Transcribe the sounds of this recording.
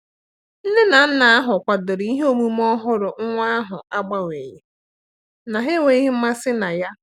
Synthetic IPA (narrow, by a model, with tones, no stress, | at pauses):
n̩˦de˦na˨n̩˦na˨a˦ɦʊ˨kʷa˨dʊ˨ɾi˦ɦo˦mu˦m˦ɔ˦ɦʊ˦ɾʊ˨ŋ̩˦ŋʷa˦a˦ɦʊ˨a˦ɡ͡ba˦ŋʷe˨ɲe˨ | na˨ɦe˦wʷe˨˦i˦ɦe˦m̩˦ma˦sɪ˦na˨ja˦